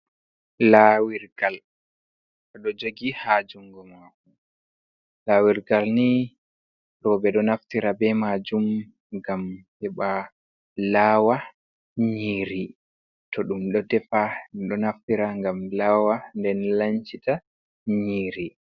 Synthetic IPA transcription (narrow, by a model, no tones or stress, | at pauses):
lawiɾɡal | ɔɗɔd͡ʒoɡihad͡ʒuŋɡɔmaku | lawiɾɡalni | ɾɔbɛɗɔnaftiɾabɛmad͡ʒum | ɡamhɛɓa | laːwa | ɲiːɾi | tɔɗumɗɔdɛfaɗɔnaftiɾaŋɡamlawandɛnlaɲt͡ʃita | ɲiːɾi